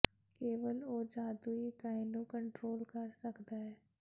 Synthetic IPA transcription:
keːʋəloːd͡ʒaːd̪uikaːɪnũkə̃ɳʈɾoːlkɐɾsɐkd̪aɦɛː

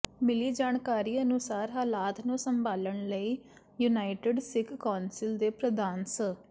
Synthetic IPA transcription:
mɪliːd͡ʒaːnkaːɾiːənʊsaːɾɦaːlaːt̪nũːsəmbʱaːləɳləiː | junaːɪʈɪɖsɪkːaːnsɪld̪eːpɾəd̪aːnsə

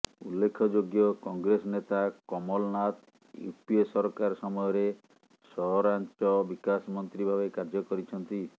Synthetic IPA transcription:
ulːekʰɔd͡ʒoɡjɔkɔŋɡɾesɔnet̪akɔmɔlnat̪ | ṵpiesɔɾɔkaɾɔsɔmɔjɔɾe | sɔɦɔɾant͡ʃɔbikasɔmɔnt̪ɾibʱabekaɾd͡ʒɔkɔɾit͡ʃʰɔnt̪i

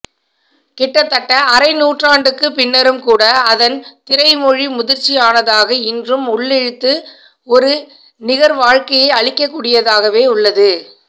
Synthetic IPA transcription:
kɪʈːɐt̪ːɐʈːɐʔɐɾɐɪnuːʈraːɳɖɯkːɯpɪnːɐɾɯmkuːɽɐɐðɐnt̪ɪɾɐɪmɔɻimʊðɪɾt͡ʃːiaːnɐðaːɣɐɪndrɯmʊɭːɛɻɯt̪ːɯ | ɔɾɯ | nɪɣɐɾʋaːɻkɐjɐɪɐɭɪkːɐkːuːɽɪjɐðaːɣɐʋeːʊɭːɐðɯ

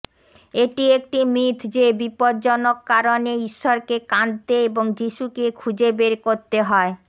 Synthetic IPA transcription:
eʈiek̚ʈimit̪ʰd͡ʑebipoɾd͡ʑonokːaɾoneiʃːɔɾkekant̪eeboŋd͡ʑiʃukekʰud͡ʑebeɾkoɾt̪eɦɔe

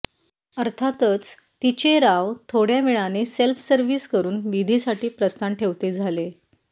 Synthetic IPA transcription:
əɾt̪ʰat̪ət͡s | t̪it͡ɕeɾaʋt̪ʰoɽjamiɭaneselfʰsəɾʋiːskəɾuːnʋid̪ʱisaʈiːpɾəst̪anʈʰeʋt̪ed͡zʱale

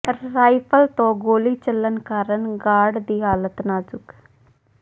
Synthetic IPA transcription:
ɾaːɪpʰəlt̪õːɡoːliːt͡ʃəlːənkaːɾənɡaːɖd̪iːɦaːlət̪naːzʊk

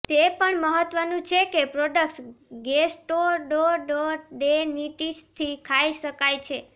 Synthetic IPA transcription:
t̪epəɳməɦət̪ʋənũt͡ʃʰekepɾoɖək̚ʈsɡesʈoɖoɖoɾɖeniʈiʃt̪ʰikʰaiʃəkajt͡ʃʰe

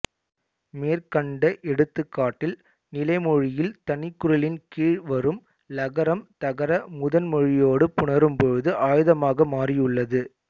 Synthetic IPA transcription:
meːɾkɐɳɖɐʔɛɽɯt̪ːɯkːaːʈːɪl | nɪlɐɪmɔɻɪjɪlt̪ɐnɪkːʊɾɐlɪnkiːɻʋɐɾɯm | lɐɣɐɾɐmt̪ɐɣɐɾɐmʊðɐnmɔɻɪjoːɽɯpʊɳɐɾɯmpɔɻɯðɯʔaːjɯðɐmaːɣɐmaːrijɯɭːɐðɯ

